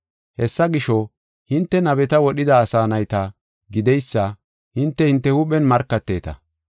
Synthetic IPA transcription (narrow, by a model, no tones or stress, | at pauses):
hɛsːɐɡɪʃɔ | hɪnt̪ːɛnɐbɛt̪ɐwɔɗɪd̪ɐːsaːnɐjt̪ɐ | ɡɪd̪ɛjsːɐ | hɪnt̪ːɛhɪnt̪ːɛhʊɓɛnmɐɾkːɐt̪ːe̞ːt̪ɐ̰